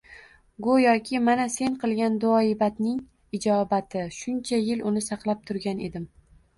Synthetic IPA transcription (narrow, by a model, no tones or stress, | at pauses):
ɡʊjɒkʲʰɪmanase̞ŋqʰɨlˠɡʲand̪ʊɒɪbat̪nɪŋ | ɪd͡ʒɒbat̪ʰɪʃʊnt͡ʃʰajɪlʊnɪsɑqlˠap̚t̪ʰʊɾɡʲane̞d̪ɪm